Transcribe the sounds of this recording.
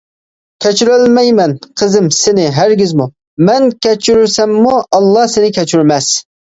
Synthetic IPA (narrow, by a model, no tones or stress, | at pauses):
kʲʰɛt͡ʃʰyɾølmɛjmɛnqʰəzɪmsɪnɪɦæɾɡʲizmu | mɛnkʲʰɛt͡ʃʰyɾyɾsɛmːuʔɑlˠːɑhsɪnɪkʲʰɛt͡ʃyɾmɛs